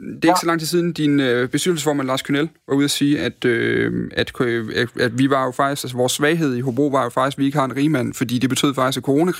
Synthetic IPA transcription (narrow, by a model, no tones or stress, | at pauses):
d̥e̝e̝ɡ̥sɒ̽lɑ̈ŋ̰t͡sʰisiːð̞ˠn̩d̥inøb̥e̝sd̥yd̥l̩səfɒːmænlɑ̈ːskʰynelʋɑ̈uð̞̰ˠɐsiːæd̥øæd̥kʰææ̥ʋiʋɑ̈jo̝fɑ̈ɡ̥d̥isɡ̥ælsəʋɒːsːʋɛːɪɦe̝ð̰ˠiɦob̥ʁo̝̰ːʋɑ̈jo̝fɑ̈ɡd̥isɡ̥ʋie̝ɡ̥əhɑ̈e̝nʁiːmæn̰fɒ̽d̥ḭːd̥e̝b̥e̝t͡sʰø̰ðˠfɑ̈ɡ̥isɡ̥ækʰoʁo̝ːnækʰ